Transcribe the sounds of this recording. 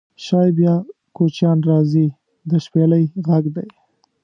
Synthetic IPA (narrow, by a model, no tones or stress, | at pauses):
ʃɑjbjɑ | kot͡ʃjɑnɾɑzi | d̪əʃpeləjɣaɡd̪aj